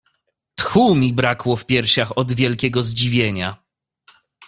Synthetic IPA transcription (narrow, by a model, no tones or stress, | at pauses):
t̪xumʲibɾakwɔfpʲjɛɾɕaxɔd̪vʲjɛlkʲɛɡɔzd͡ʑivʲjeɲa